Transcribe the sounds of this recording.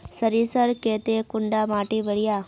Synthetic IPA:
səɾisəɾkeːt̪ekʊɳɖamaːʈibəɽijaː

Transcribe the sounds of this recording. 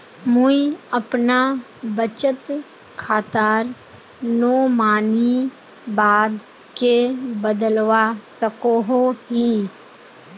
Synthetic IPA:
mʊiəpna | bət͡ʃət̪ | kʰaːt̪aːɾ | noːmaːni | baːd̪ | kebəd̪əlʋasəkoɦoɦĩ

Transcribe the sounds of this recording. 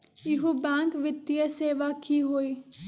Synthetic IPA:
ɪɦubɛ̃ːŋkʋɪt̪ːijəseːʋakʰiɦoːiː

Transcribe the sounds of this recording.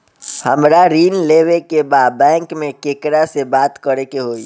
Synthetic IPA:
həmɾaɾiːnleːʋekebaːd̪̚bɛ̃ːŋkmẽkeːkɾasebaːt̪kəɾekeɦoːi

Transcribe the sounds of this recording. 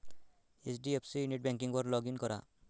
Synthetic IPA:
esɖiepʰsijuniʈ̚bɛŋkiŋbɔɾlɔɡinkɔɾa̰

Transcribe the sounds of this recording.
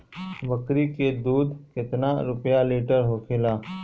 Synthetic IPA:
ʋɐkɾiked̪uːd̪kɪt̪naɾʊpjaliːʈəɾɦokʰɪlaː

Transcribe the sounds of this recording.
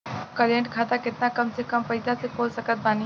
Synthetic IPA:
kɐɾẽɳʈkʰaːt̪akɪt̪nakɐmsekɐmpɐɪd̪asekoːlsɐkət̪̚baːni

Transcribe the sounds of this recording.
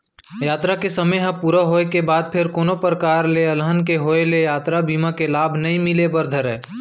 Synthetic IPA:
jaːt̪ɾakesəməjɦə̃puːɾəɦoːekebaːd̪̚pʰɪɾkoːnopɾəkaːɾleəlɦənkeɦoːelejaːt̪ɾabiːmakelaːbʱnɐĩmɪlebəɾd̪ʱəɾɛː

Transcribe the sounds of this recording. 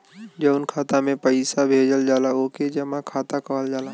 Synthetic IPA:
d͡ʒəʊnkʰaːt̪amẽpəɪsabʱeːd͡ʒəld͡ʒaːlaoːked͡ʒəmãkʰaːt̪akɐɦəld͡ʒaːla

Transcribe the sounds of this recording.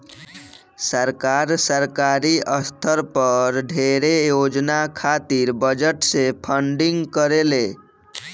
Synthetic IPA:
səɾkaɾsəɾkaɾiʔəst̪ʰəɾpəɾɖʱeɾejod͡ʒnakʰat̪iɾbəd͡ʒəʈsepʰəɳɖiŋɡkəɾele

